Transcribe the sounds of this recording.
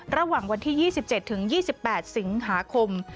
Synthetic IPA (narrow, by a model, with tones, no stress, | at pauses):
ɾa˧waː˨˩ŋwa˧nt̪ʰiː˥˩jiː˥˩si˨˩p̚t͡ɕe˨˩t̪ʰːɯ˩˦ŋjiː˥˩si˨˩pːɛː˨˩t̪̚si˩˦ŋɦaː˩˦kʰo˧m